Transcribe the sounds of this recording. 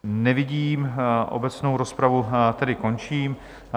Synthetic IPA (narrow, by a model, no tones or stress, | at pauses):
nɛvɪɟiːmʔo̞̰bɛt͡snowɾo̞spɾavut̪ɛdɪko̞nt͡ʃiːm